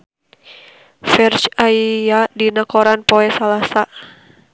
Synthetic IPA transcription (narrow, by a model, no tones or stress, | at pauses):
fɛrt͡ʃaiadinakɔɾanpɔɛsalasa